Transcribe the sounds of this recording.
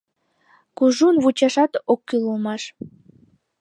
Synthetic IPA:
kuʒunβut͡ɕɑʃɑt̪okːylulmɑʃ

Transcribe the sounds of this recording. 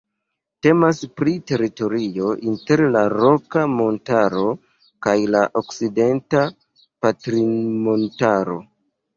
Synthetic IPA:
te̞maspɾite̞ɾito̞ɾio̞ʔinte̞ɾlaɾo̞kamo̞ntaɾo̞ | kajlaʔo̞kside̞nta | patɾimontaɾo̞̰

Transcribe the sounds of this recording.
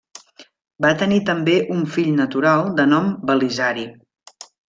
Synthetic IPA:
bat̪ənit̪əmbeʔuɱfiʎnət̪uɾalˠd̪ənɔmbəlizaɾi

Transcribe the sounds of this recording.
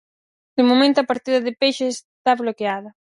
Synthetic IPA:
d̪̥ɪmomẽnt̪oapaɾt̪iðɐðɪpeʃɪs | t̪aβlokeaðɐ

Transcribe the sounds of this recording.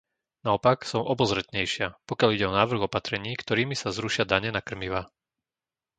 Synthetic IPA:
naɔpaksɔmɔbɔzɾɛt̪ɲɛjʃɪapɔkjaliɟɛɔnaːʋr̩ɣɔpat̪ɾɛɲiːkt̪ɔɾiːmisazɾuʃɪad̪aɲɛnakr̩miʋa

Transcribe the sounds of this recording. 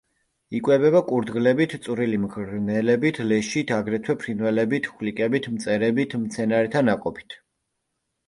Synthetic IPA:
ikʼwɛbɛβakʼuɾd̪ɡlɛbit̪ʰsʼuɾilimɡɾnɛlɛbit̪ʰlɛʃit̪ʰaɡɾɛt̪ʰwɛpʰɾinwɛlɛbit̪ʰχlikʼɛbit̪ʰmt̪sʼɛɾɛbit̪ʰmt̪sʰɛnaɾɛt̪ʰanakʼɔpʰi̥t̪ʰ

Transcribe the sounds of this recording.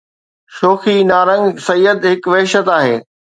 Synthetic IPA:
ʃoːxinaːɾə̃ŋɡsɐjːəd̪ɦɪkʋɐːʃət̪aːɦeː

